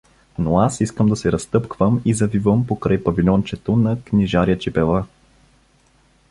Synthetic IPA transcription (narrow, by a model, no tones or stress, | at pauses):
noasiskəmd̪ɐsɛɾɐst̪ɤpkvəmizɐvivəmpokɾajpɐvilʲɔnt͡ʃɛt̪onɐkniʒaɾiət͡ʃipɛlˠa